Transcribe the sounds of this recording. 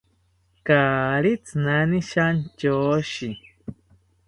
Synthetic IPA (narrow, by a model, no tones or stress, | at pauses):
kaːɾit͡snaniʃant͡ʃoːʃi